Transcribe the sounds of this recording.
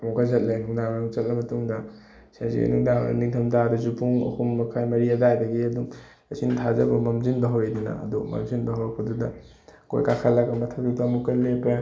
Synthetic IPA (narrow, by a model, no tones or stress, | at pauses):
mukʰazɐt̚lenuŋdaŋnuŋt͡ʃɐt̚lɐmɐtuŋdɐ | sazḭnuŋdaŋ̰niŋtʰɐmdadɐzupuŋɐ̰humːɐkʰajmɐɾiɐdajdɐɡiɐduŋ | ɐsintʰazɐbɐmɐmzinbɐɦɐwejdinɐ̰ɐ̰dumɐ̰mzinbɐɦawkʰududɐ | ko̰jkakʰɐlɐɡɐmɐtʰɐp̚dudɐmukɐlepɐ